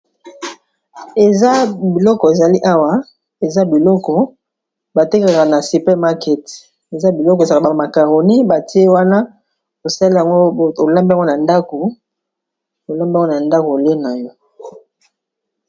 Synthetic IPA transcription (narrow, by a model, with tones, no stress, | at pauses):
e˨za˦bi˨lɔ˦kɔ˨e˨za˨li˦ʔa˦wa˦ | e˨za˦bi˨lɔ˦kɔ˨ | ba˨te˦ka˨na˨si˨pɛ˦ma˦kɛ˦t | e˨za˦bi˨lɔ˦kɔ˨za˨a˨ba˨ma˨ka˨ʁo˨ni˦ba˨ti˦e˦wa˦na˦ | o˨sa˦li˦a˨ŋɡo˦˨o˨la˦mbi˦a˨ŋɡo˦na˨nda˦ko˨ | o˨la˦mbi˦a˨˦o˦na˨nda˦ko˨le˦na˨jɔ˦